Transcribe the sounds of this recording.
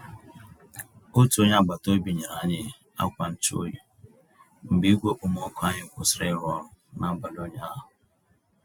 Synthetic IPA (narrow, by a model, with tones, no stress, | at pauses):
o˦tu˨˦o˦ɲa˦ɡ͡ba˨to˦bi˨ɲe˨ɾa˨˦ɲɪ˦˨ | a̰˦kʷa˨n̩˦t͡ʃo̰˦ju˨ | m̩˨bi˦ɡʷe˦ʔʊ˦m˦ɔ˦kʷa˦ɲɪ˦˨kʷʊ˨sɾe˦ɾʊ˦ɔ˦ɾʊ˨na˦ɡ͡ba˨lo˦ɲa˦ɦʊ˨